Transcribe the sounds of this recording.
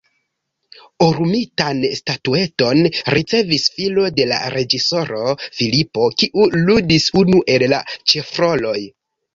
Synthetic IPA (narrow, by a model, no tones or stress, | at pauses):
uɾumitanstatue̞to̞nɾʔit͡se̞visfilo̞de̞la̰ɾe̞d͡ʒiso̞ɾo̞filipo̞kiʔuludisunuʔe̞lːa̰t͡ʃe̞fɾo̞lo̞j